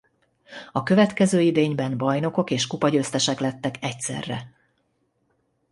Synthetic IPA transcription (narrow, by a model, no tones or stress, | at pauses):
ɒkø̞vɛt̪kɛzøːid̪eːɲbɛnbɒjno̞ko̞keːʃkupɒɟøːst̪ɛʃɛklɛt̪ːɛkɛcsɛ̰rːɛ̰